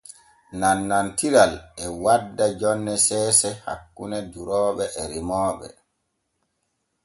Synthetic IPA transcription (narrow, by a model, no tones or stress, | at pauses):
nanːantiɾalɛwadːad͡ʒɔnːɛsɛːsɛha̰kːunɛduɾɔːɓɛʔɛɾimɔːɓɛ̰